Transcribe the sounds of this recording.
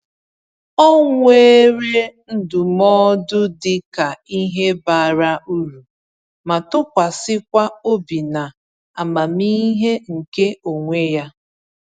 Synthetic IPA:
ɔ˦ŋʷe˦ɾe˦n̩˦dʊ˨mɔ˦dʊ˦dɪ˦ka˨i˦ɦe˦ba˨ɾa˦u˦ɾu˨ | ma˨tʊ˦kʷa˨sɪ˦kʷa˦o˦bi˨na˨ | a˨ma˨mi˦ɦe˦ŋ̩˨ke˦o˨ŋʷe˦ja˦

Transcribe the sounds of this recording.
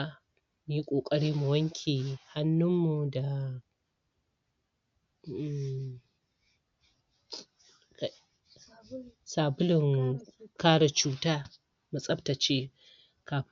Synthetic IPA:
m˨˦ji˦kʷʼoː˨kʼɐ˨ɽiː˦mu˨wɐ˦ŋkʲʰiː˨ha˦nːʊ˦mːu˨da˨˦˨ | saː˨bʊ˦lɪ˨ŋkaː˦ɽa˨t͡ʃuː˦taː˦ | mu˨sʼɐ˦bta˨t͡ʃeː˦ | kaː˨ɸ

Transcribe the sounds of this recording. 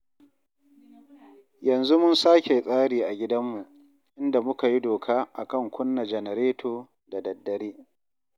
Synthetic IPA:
jɐ˨nzu˦mʊ˦nsaː˦kʲe˨sʼaː˦ɽiː˨ʔa˨ɡʲɪ˦dɐ˦mːu˨ʔ | ʔɪ˦nda˨mʊ˦ka˨ji˦doː˨kʰaː˦ʔa˨kɐ˦˨ŋkʷʊ˦nːa˨d͡ʒɛ˨nɛ˨ɾeː˦tʰoː˨ | da˨dɐ˨dːɐ˨ɾeː˦

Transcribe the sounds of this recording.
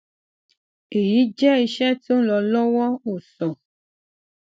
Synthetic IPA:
e˨ji˨˦d͡ʒɛ˦i˧ʃɛ˦to˦lɔ˧lɔ˦wɔ˦o˨sɔ˨

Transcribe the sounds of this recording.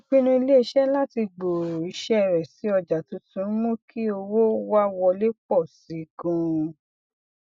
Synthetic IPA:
õ˨˧k͡pĩ˦nũ˦i˧le˦i˧ʃɛ˦la˦ti˧ɡ͡bo˨ɾo˨i˨˦ʃɛ˦˨ɾɛ˨si˨˦ɔ˧d͡ʒa˨tũ˨˦tũ˨˦mõ˦ki˦o˧wo˦wa˦wɔ˧le˦k͡pɔ˦˨si˨˦˧ɡũ˨˧

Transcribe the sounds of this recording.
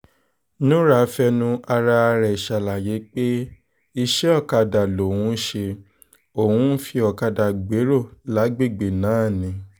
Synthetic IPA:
nũ˦ɾa˨˦fɛ˧nũ˦a˧ɾa˧ɾɛ˨ʃa˧˨la˨je˨˦k͡pe˦ | i˧ʃɛ˦ɔ˦˨ka˧da˨lo˨wũ˨˦ʃe˧ | o˨hũ˦fi˧˦ɔ˨ka˧da˨ɡ͡be˨˦ɾo˦˨la˨˦ɡ͡be˦˨ɡ͡be˨nãː˨˦˨nĩ˨˦

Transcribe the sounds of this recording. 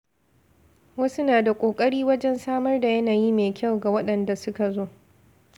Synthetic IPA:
wɐ˦su˦naː˨da˨kʷʼoː˨kʼɐ˦ɽiː˦wɐ˦d͡ʒɛ˦nsaː˦mɐ˦rda˨jɐ˦naː˨jiː˦meː˨kʲa˦˨wɡa˨wɐ˦ɗɐ˨nda˨sʊ˦ka˨zoː˦˨

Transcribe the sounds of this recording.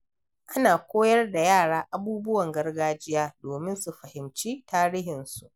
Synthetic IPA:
ʔa˦naː˨kʷoː˦jɐ˦rda˨jaː˦˨ɽaː˦ʔa˦buː˦bʊ˦wɐ˨ŋɡɐ˦rɡaː˦d͡ʒɪ˦jaː˦doː˨mɪ˦nsu˨ɸɐ˨hɪ˨mt͡ʃiː˦taː˦ɾiː˦ɦɪ˨nsu˦ʔ

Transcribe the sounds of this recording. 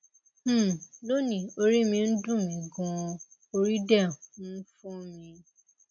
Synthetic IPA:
lo˦nĩ˨o˧ɾi˦mĩ˧n̩˦dũ˦˨mĩ˧ɡũ˧o˧ɾi˦dɛ˦˨ũ˦fũ˦mĩ˧

